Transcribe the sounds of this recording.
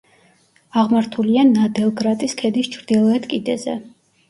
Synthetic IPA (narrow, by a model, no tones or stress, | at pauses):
aʁmaɾt̪ʰulianad̪ɛlˠɡɾat̪ʼiskʰɛd̪ist͡ʃʰɾd̪ilˠɔɛt̪ʰkʼid̪ɛzɛ̰